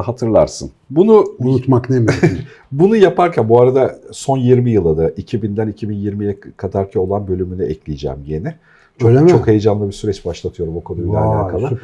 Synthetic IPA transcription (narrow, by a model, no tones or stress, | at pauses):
hat̪ʰɯɾlˠaɾsɯ̰nbunuunut̪maknemibunujapʰaɾcʰænbuaɾad̪aso̞njiɾmijɯlˠad̪aʔicʰibind̪ænicʰibinjiɾmijɛkʰad̪aɾcʰio̞lˠanbø̞lʲymynyɛclʲijd͡ʒɛ̰ːmje̞nɪ | t͡ʃolt͡ʃo̞khe̞jed͡ʒamlˠɯbisyɾɛt͡ʃbaʃlˠat̪ʰɯjo̞ɾumokʰo̞nubilaalʲa̰ːkʰalˠɯ